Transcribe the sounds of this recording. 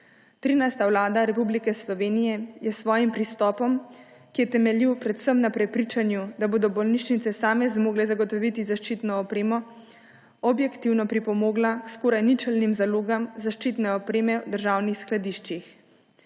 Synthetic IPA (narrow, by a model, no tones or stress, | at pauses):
t̪ɾiːnajst̪awlaːd̪aɾɛpublikɛslɔʋeːnijɛjɛsʋɔːjimpɾist̪ɔːpɔm | kijɛt̪ɛmɛljiwpɾɛt̪səmnapɾɛpɾit͡ʃanjud̪aboːd̪ɔbɔlniʃnit̪sɛsaːmɛzmoːɡlɛzaɡɔt̪ɔʋit̪izaʃt͡ʃit̪nɔːpɾeːmɔ | ɔbjɛkt̪iwnɔpɾipɔmoːɡlaskoːɾajnit͡ʃəlnimzaloːɡamzaʃt͡ʃit̪nɛɔpɾeːmɛwd̪əɾʒaːwnixsklad̪iʃt͡ʃix